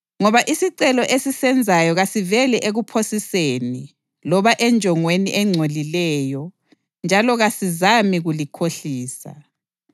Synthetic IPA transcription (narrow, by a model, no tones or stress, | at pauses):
ŋɔβaʔisiǀɛlɔʔesisɛnd͡zʱajɔɣasivɛlɛʔeɣupʰosiseni | lɔβaʔɛnd͡ʒʱɔŋweniʔɛŋ͡ǀʱolilɛːjɔ | nd͡ʒʱalɔɣasizamiɣulikʰoɬiːsa̰